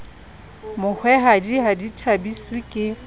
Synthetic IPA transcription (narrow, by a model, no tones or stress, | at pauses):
mʊk͡xʰwɛɦadiɦaditʰabisikʼɪ